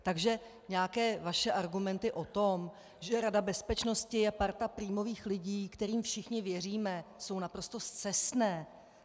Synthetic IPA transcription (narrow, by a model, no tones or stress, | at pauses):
t̪aɡʒɛ | ɲɛakɛːvaʃɛʔaɾɡumɛnt̪ɪʔo̞t̪o̞m | ʒɛɾadabɛspɛt͡ʃno̞scɪjɛpaɾt̪apɾiːmo̞viːxlɪɟiːkt̪ɛɾiːmfʃɪxɲɪvjɛr̝iːmɛso̞wnapɾo̞st̪o̞st̪t͡sɛsnɛː